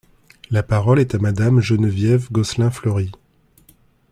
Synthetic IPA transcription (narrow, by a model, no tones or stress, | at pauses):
lapaʁɔlɛt̪amad̪amʒənvjɛvɡɔslɛ̃flœʁi